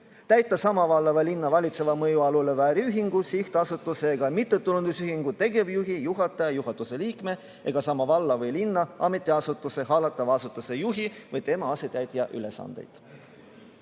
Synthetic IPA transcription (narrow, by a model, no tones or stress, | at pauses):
t̪æjt̪ːˑɑsɑmɑvɑlːɑvɑlinːɑvɑlʲit̪se̞vɑmɤjuɑlulevæːɾiyɦiŋɡ̥usiht̪ɑsut̪ːˑuse̞ːɡ̥ɑmit̪ːˑe̞t̪ːˑulund̪̥usyhiŋɡ̥ut̪e̞ɡe̞vjuɦijuɦɑt̪ːˑɑjɑjuɦɑt̪ːˑuse̞liːkme̞ | e̞ɡ̥ɑsɑmɑvɑlːɑvɤjlinːɑʔɑme̞t̪ˑːiɑsut̪ːˑuse̞ɦɑːlɑt̪ːˑɑvɑɑsut̪ːˑuse̞juɦivɤjt̪e̞mɑɑse̞t̪æjt̪ʲjɑʔyle̞sɑ̰nd̪̥e̞̰jd̪̥